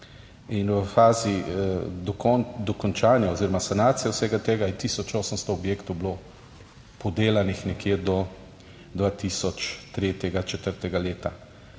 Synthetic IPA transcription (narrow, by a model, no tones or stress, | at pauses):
inwəfaːzid̪ɔkɔnd̪ɔkɔnt͡ʃaːnjaɔziːɾɔmasanaːt̪sijɛwsɛːɡat̪eːɡajɛt̪iːsɔt͡ʃoːsənst̪ɔːbjeːkt̪ɔwblo | pɔd̪eːlanixnɛkjeːd̪ɔ | d̪ʋaːt̪isɔt͡ʃt̪ɾeːt̪jɛɡat͡ʃɛt̪əɾt̪ɛɡaleːt̪a